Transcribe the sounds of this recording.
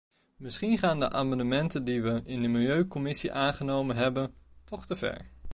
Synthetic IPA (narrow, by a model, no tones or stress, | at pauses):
mɪsχinχaːndə̰ʔaːmɑndəmɛntəndiʋəɪndəmɪlˠjøɥkɔmɪsiʔaːnχənowmənɦɛbəntɔχtəv̥ɛ̰ɹ